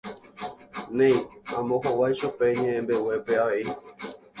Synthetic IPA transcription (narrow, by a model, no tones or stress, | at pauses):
nẽj̃ãmõɦowajʃupe̞ɲẽ̞ʔẽmbe̞we̞pe̞aʋe̞i